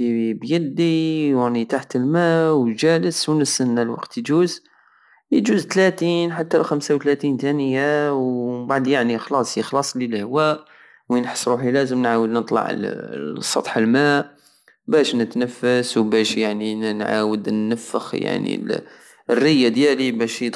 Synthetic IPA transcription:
ibjəd̪iwanit̪aħt̪əlmæwʒæləswnəsənːalwɑ̰qt̪jd͡ʒuz | jd͡ʒuzt̪læt̪inħat̪ːælxæmsawt̪læt̪int̪ænəjawbaʕd̪jaʕnixlɑsˤixlɑsˤlilhwæʔ | winħə̥sˤɾuħilæzəmnʕawəd̪nət̪ˤlɑ̰ʕ̰lsˤɑ̰t̪ˤħəlmæʔ | bæʃnət̪nəfːəswbæʃjaʕninnʕa̰wəd̪nːəfːə̰xja̰ʕnḭl | ərːəjːad̪jælibæʃ

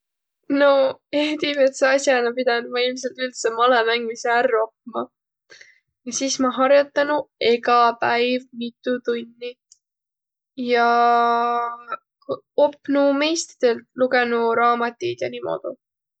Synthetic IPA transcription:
no̞ed̪ibe̞t̪seɑsjɑnɑpid̪̥ɑnumɑilms̬e̞lt̪ylt̪semɑlemæŋɡmiseærːo̞p̚mɑ | jɑsiːsmɑɦɑɾjot̪ːˑɑnue̞ɡɑpæjvmit̪ːˑut̪unʲːi | jɑ | o̞pːnume̞jst̪i̥d̪̥e̞lt̪luɡe̞nuɾɑːmɑt̪ʲːid̪̥jɑniːmo̰d̪̥ṵ

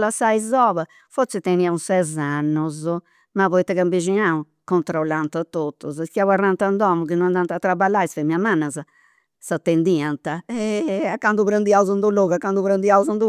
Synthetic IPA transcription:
lasaizɔːβɛ | foɾt̪sɛt̪eniausɛzanːɔz | mavɔit̪ːɛɣambiʒinau | kɔnt̪ɾɔlːant̪at̪ːot̪ːɔzskiawarːant̪and̪ɔmukinːɔnand̪ant̪at̪ːɾabalːaisfamiamanːaza | sat̪ːend̪iant̪aɛakːand̪uβɾand̪iauzand̪uloɣakːand̪uβɾand̪iauzand̪u

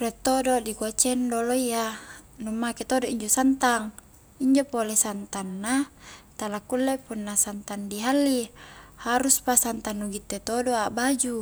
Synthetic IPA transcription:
ret̪ːodoʔdikuat͡ʃendoloija | numːaket̪odoʔiɲd͡ʒosant̪aŋ | iɲd͡ʒopolesant̪anːat̪alakːulːepunːasant̪andiɦalːihaɾuspasant̪anːuɡit̪ːet̪odoaʔbad͡ʒu

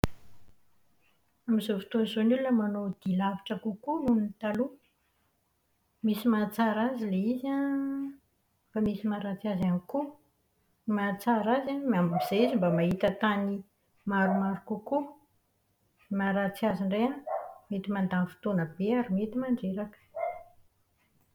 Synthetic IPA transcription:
amizofi̥t̪onzonulunəmanod̪ilavaʈ͡ʂəkukununinit̪alu | misimat͡saɾazileiza | famisimaɾat͡siazaniku | mat͡saɾazamambimiz̥eizimbamaɦit̪ət̪ani | maɾumaɾukuku | maɾat͡siaziɳɖ͡ʐeamet̪imand̪anfi̥t̪onəbeaɾimet̪imaɳɖ͡ʐeɾakə̥

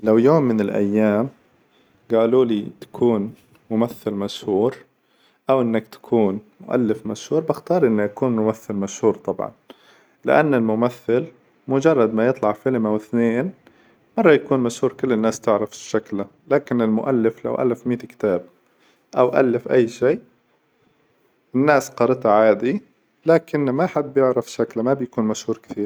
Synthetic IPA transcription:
lawjoːmːɪnɪlʔa̰jːaːm | ɡaːluːlit̪ḁkʰuːn | mʊmaθːɪlmaʃhuːɾ | ʔawʔɪnːakt̪ḁkʰuːnmʊ̰ʔa̰lːɪfmaʃhuːɾˤbɪxt̪ɑːɾˤʔɪnːajakuːnmʊmaθːɪlmaʃhuːɾt̪ˤɑbʕɑ̰n | lɪ̰ʔanːɪlmʊmaθːɪl | mʊd͡ʒɑrˤːɑd̪majɨt̪ˤlɑʕfɪlmawɪθneːn | mɑrˤːɑjakuːnmaʃhuːɾkɪlːɪnːaːst̪ɪʕɾafʃaklalaːkɪnɪlmʊʔalːɪfla̰wʔa̰lːɪfmiːt̪kɪ̥t̪aːb̚ | ʔawʔa̰lːɪfʔajːʃiːʔ | ɪnːaːsqɑɾˤt̪aʕaːd̪i | laːkɪnmaħad̪̚ːjɪʕɾafʃaklamabjakuːnmaʃhuːɾˤkɪ̥θiːɾ

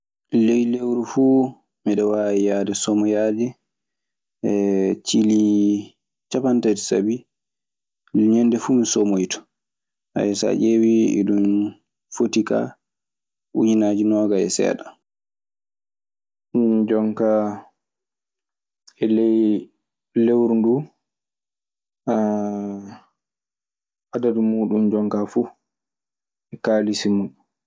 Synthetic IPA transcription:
lejlewɾufuː | miɗɔwaːɛjadɛsɔmɔjaːdɛ | ɛt͡ʃili | t͡ʃapantad͡ʒi̥sa̰bi | ɲɛnːdɛfuːmisomojitɔ̥ | ʔa̰jɛsa̰ʔewiɛ̰ɗum | fotika̰ | ʔuɲinaːd͡ʒinɔːɡaɛ̰sɛ̰ːɗa | d͡ʒɔŋka | ɛlɛj | lewɾndu | a | ʔadadumuːɗumd͡ʒɔŋkafuː | ɛkaːlisimuɗu

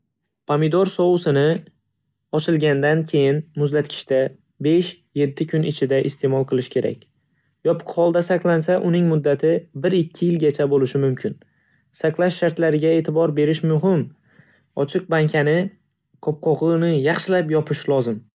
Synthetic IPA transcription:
pʰamid̪oɾsɒwʊsɪnɪ | ɒt͡ʃʰɪlˠɡʲand̪ankʲʰe̞jɪnmʊzlat̪̚kʲʰɪ̥ʃt̪a | be̞ʃ | je̞t̪ʰːɪkʲʰʊnɪt͡ʃʰɪd̪aʔɪst̪ʰe̞mɒlˠqʰɨlˠɪʃkʲʰe̞ɾa̰kʲ | jɒpʰʊ̥qhɒlˠd̪asaqlˠansaʔʊnɪŋmʊd̪ːat̪ʰɪbɪɾɪkʲʰːɪjɪlɡʲat͡ʃʰabolɪʃɪmʊmkʲʰɪn | saqlˠaʃːaɾt̪laɾɪɡʲae̞ːt̪ʰɪbɒɾbe̞ɾɪʃmʊɦɪm | ɒt͡ʃʰɨq̚baŋkʲʰanɪ | qʰɒp̚qʰɒʁɨnɪjɑχʃɪlapjɒpʰɪʃlˠɒzɪm

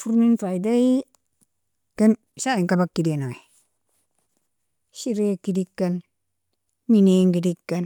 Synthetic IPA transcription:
fuɾminfaidai | kan | saiŋkabakːidenoe | ʃiɾekidikːan | mineŋɡidikːan

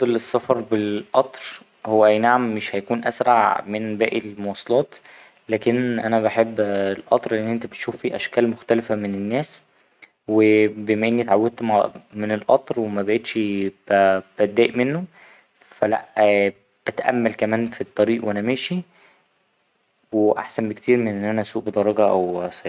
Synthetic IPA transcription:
d̪elesˤːɑfɑɾˤbelʔɑt̪ˤɾ | howːæʔæjnaʕamːeʃhæjækuːnʔæsɾɑʕmenbæːʔilmowɑsˤːɑlɑːt̪ | læːkenʔænæβaħebːelʔɑ̰t̪ˤɾˤʔenːʔent̪æbet̪ʃuːfːiːʔæʃkæːlmoxt̪ælefæmenenːæːs | webemæʔenːit̪ʕawːed̪̚t̪mamenelʔɑ̰t̪ˤɾwemæbæʔet̪ʃb̥æb̥æt̪̚d̪ːæːʔmenːo | fælæ̰ʔ | b̥æt̪ʔæ̰mːælkæmæːnfit̪ˤːɑɾiːʔwʔænæmæːʃi | weʔa̰ħsæmbekt̪iːɾmenʔenːʔænæsuːʔbed̪ˤɑɾˤɑɡɑʔæwsˤ

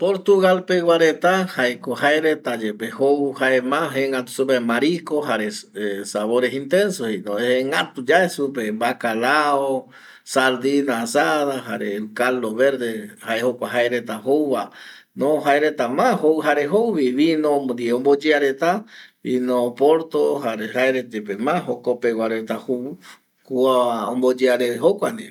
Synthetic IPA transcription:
poɾt̪uɣalpewaɾet̪ahaekohaeɾet̪ad͡ʒepehowhaemãɦeŋɡat̪u̥sup̬emaɾikoɦaɾeesaβoɾesint̪ensohenoeeŋɡat̪ud͡ʒaesupembakalao | saɾd̪inasaðaɦa̰ɾelkaloβeɾd̪ehaehokʷaɦaeɾet̪aɦowβa | nõɦaeɾet̪amãhowɦaɾeɦowβiβinõd̪ieõmbod͡ʒeaɾet̪aβinopoɾt̪oɦaɾeɦaeɾet̪epemãɦokopewʷaɾet̪ahu | kuaõmbod͡ʒeaɾeeɦokʷand̪i

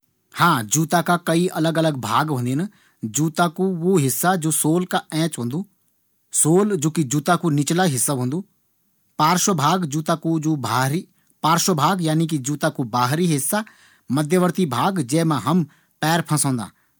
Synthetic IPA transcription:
hãːd͡ʒuːt̪akakɐiʔɐləɡələɡbʱaːɡɦõːnd̪in | d͡ʒuːt̪akuʋoɦɪsːad͡ʒoːsoːlkaɛ̃ːt͡ʃɦõːnd̪uː | soːld͡ʒoːkid͡ʒuːt̪akunɪt͡ʃlaɦɪsːabɦõːnd̪uː | paːɾʃəbʱaːɡd͡ʒuːt̪akud͡ʒoːbʱaːɾi | paːɾʃəbʱaːɡjaːnik̬id͡ʒuːt̪akubaːɦɾiɦɪsːa | mɐd̪ʱjəʋəɾt̪ibʱaːɡd͡ʒɛːmãɦɐm | pɛːɾpʰɐ̃sõːnd̪a̰ː

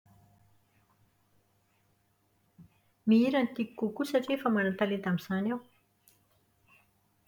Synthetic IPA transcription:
miiɾanit̪ikikukusaʈ͡ʂiefəmanant̪aled̪amiz̥anaw

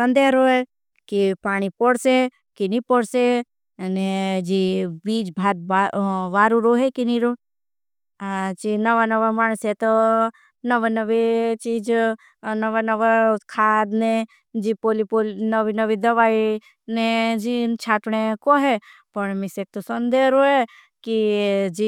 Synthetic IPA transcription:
sɐ̃nd̪eɦɾoːɦe | kipaːɽ̃ipoɽse | kinipoɽse | ned͡ʒibiːd͡ʒbʱaːd̪̚baʋaːɾuɾoɦekiniɾo | t͡ʃinɐʋanɐʋamaːɳ̃set̪o | nɐʋanɐʋet͡ʃiːd͡ʒ | nɐʋanɐʋakʰaːd̪ne | d͡ʒipoːlipolnəʋinɐʋid̪ɐʋaːi | nẽd͡ʒit͡ʃʰaːʈnekoɦe | pɐɳmɪsek̚t̪osɐnd̪eɾoɦe | kid͡ʒi

